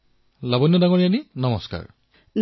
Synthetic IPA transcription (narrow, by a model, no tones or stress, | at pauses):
labɔnjɔdaŋoɹianinɔmɔska̰ɹ | l